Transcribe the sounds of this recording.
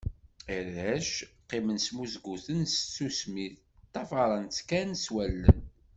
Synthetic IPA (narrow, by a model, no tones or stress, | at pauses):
əɾðæʃqːimənsmuzɡuθənst͡sːusmiθ | t̪ːɑfɑɾˤənt͡sːkænswælːə̰n